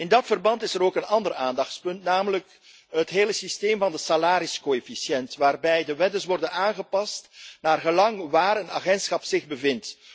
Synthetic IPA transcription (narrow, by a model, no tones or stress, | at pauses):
ɪndɑtfərbɑntɪsəɾoːkənɑndəraːndɑxtspɵntnaːmələk | ətɦeːləsisteːmvɑndəsalaːɾiskoefisjɛntʋaːrbɛjdəʋɛdəsʋɔrdənaːnɣəpɑstnaːrɣəlɑŋʋaːɾəna̰ːɣɛntsxɑpz̥ɪɣbəvɪnt